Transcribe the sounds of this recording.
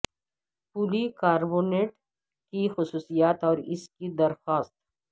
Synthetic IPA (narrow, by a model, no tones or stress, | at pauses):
puːlikaːɾboːneːʈ | kixʊsuːsijaːt̪ɔːɾɪskid̪ɐɾxaːst̪